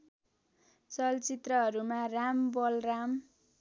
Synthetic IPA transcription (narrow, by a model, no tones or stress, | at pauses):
t͡sʌlt͡sit̪rʌɦʌɾumãrambʌlram